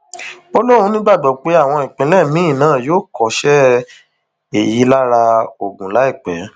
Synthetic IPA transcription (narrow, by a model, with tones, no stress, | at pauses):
o˦lo˦ɾ̃ũ˧˦nĩ˦ɡ͡ba˦˨ɡ͡bɔ˨k͡pe˦a˦˨w̃ɔ̃˧i˨k͡pĩ˨˦lɛ˦˨mĩ˨˦ĩ˦˨nãː˦˨joː˦˨kɔ˨˦ʃɛ˦ | e˨ji˨˦la˦ɾa˧o˨ɡũ˨la˨˦i˦˨k͡pɛ̰˨˦